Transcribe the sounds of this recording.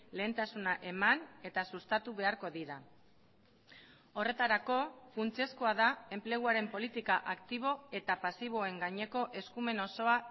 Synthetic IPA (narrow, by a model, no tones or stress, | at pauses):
le̞ːnt̪asunaʔe̞mane̞t̪asust̪at̪uβe̞aɾko̞ðiɾa | o̞re̞t̪aɾako̞funt͡sie̞skoaðae̞mple̞ɣ̞uaɾe̞mpo̞lit̪ikaʔakt̪iβ̞o̞e̞t̪apasiβ̞o̞e̞ŋɡaɲe̞ko̞ʔe̞skume̞no̞so̞a